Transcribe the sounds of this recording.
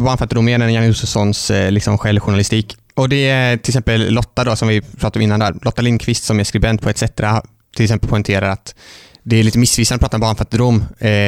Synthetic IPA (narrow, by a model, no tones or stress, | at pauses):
bɑːɳfat̪ːəd̪ʊmɛnɛnjanɪuːsəsɔnslɪksɔmɧɛlvɧʊɳalɪst̪iːk | ɔd̪ɛt̪ʰɪlɪksɛmpəlːɔt̪ːad̪ɔsɔmvɪpʰɾɑːt̪aɾɔmɪnːand̪æ̰ːɾlɔt̪ːalɪnkʰvɪst̪sɔmæɾskɾɪbɛnt̪̚pʰɔɛt̪sɛt̪ɾa | t̪ʰɪlɪksɛmpəlpʰɔɪnt̪ʰeːɾaɾat̪d̪ɛæɾɭiːt̪əmɪsːvɪsanɔpʰɾɑːt̪aɔmbɑːɳfat̪ːəd̪ʊmː